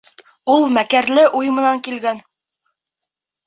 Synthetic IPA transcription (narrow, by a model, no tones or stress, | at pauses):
ulˠmækæɾlɘʔujmɤ̆nɑŋkilɡæn